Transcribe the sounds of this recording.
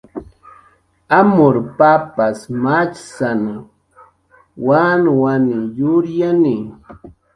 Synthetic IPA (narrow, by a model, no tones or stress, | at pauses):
amʊɾpapasmat͡ʃsana | wanwanɪjʊɾjanɪ